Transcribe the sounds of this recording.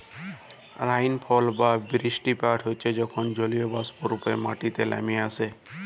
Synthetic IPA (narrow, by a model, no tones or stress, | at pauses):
ɾajnpʰɔlbabɾisʈipaʈɦojt͡ʃʰed͡ʒɔkʰond͡ʒoliobaspoɾupemaʈit̪elɛ̰miase